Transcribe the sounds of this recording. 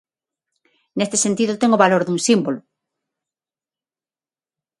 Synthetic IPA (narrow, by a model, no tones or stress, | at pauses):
nest̪esent̪iðʊt̪eŋoβaloɾðuŋsimbolʊ